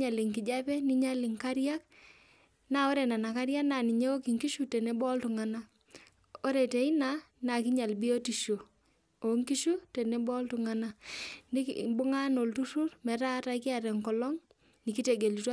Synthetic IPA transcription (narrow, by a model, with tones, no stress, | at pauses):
ɲa˨lɪ˨ŋki˨d͡ʒa˦pɛ˦ni˦ɲa˦lɪ˨ŋka˦ɾja˦k̚ | na˦o˦ɾɛ˨na˨na˨ka˦ɾja˦kna˨ni˨ɲe˦o˦ki˨ŋki˦ʃu˨tɛ˨nɛ˦bɔ˦ltʊ˨ŋa˨na˦ | ɔ˦ɾɛ˨tɛ˨ɪ˦na˦na˨ki˦ɲa˨lbi˦o˦ti˨ʃo˨ | o˨ŋki˦ʃu˦tɛ˨nɛ˦bɔ˦ltu˨ŋa˨na˦ni˦bʊ˦ŋa˦no˨ltu˦su˦rmɛ˨˦ta˦ta˦kɪ˦a˨ɾɛ˨ŋkɔ˨lɔ˦ŋ | ni˨ki˦te˨ɡe˨li˨ta˦